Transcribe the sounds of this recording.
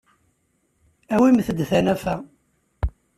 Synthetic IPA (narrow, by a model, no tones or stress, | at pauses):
æwiməθəd̪θænæfæ